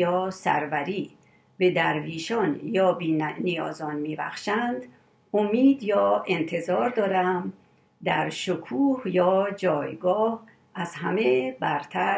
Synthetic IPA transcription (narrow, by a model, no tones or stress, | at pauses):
ɒːsæ̰ɾvæɾiː | be̞d̪æɾviːʃɒnjɒːbiːnijɒ̰ːzɒnmiːbæ̰xʃænd̪ | omiːd̪jɒːe̞nt̪ʰe̞zɒːɾd̪ɒːɾæm | d̪æɾʃokʰuːhjɒːd͡ʒɒːjɡɒːh | æzɦæmebæɾt̪ʰæ